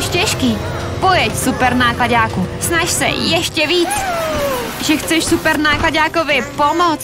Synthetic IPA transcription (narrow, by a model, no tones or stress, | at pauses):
ʃcɛʃkiː | pojɛcsupɛɾnaːklaɟaːkusnaʃsɛ̰jɛʃcɛviːt͡s | ʒɛxt͡sɛʃsupɛɾnaːklaɟaːkovɪpomot͡s